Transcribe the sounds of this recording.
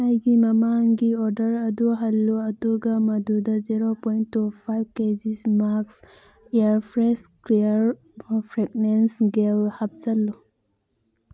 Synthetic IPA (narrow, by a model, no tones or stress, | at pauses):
ajɡimɐmaŋɡiɔɾdɐɾɐduɦɐlːuɐduɡɐmɐdudɐziɾopojntːupʰajb̚ked͡ʒismaks | eɾpʰɾeskliɾ | pʰɾek̚nensɡelhap̚zɐlːu